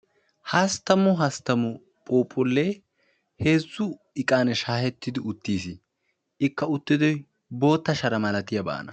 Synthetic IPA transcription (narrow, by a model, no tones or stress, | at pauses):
hɐst̪ːɐmʊɦɐst̪ɐmʊ | pʼoːpʼʊlːe | heːzːʊ | ɪkʼaːnɛʃaːhɛt̪ːɪd̪ɪʊt̪ːiːsɪ | ɪkːɐʊt̪ːɪd̪ɔj | bo̞ːt̪ːɐʃɐɾɐmɐlɐt̪ɪjɐba̰ːnɐ